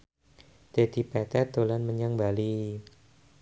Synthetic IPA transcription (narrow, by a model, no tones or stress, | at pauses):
d̪̥ed̪ipɛt̪ɛt̪olanməɲaŋbali